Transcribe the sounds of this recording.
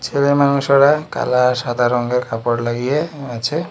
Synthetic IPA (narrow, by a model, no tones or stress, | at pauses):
t͡ʃʰelemanusɔɽaka̰lasad̪ʱaɾɔŋɡekapɔɽlaɡijeat͡ʃʰe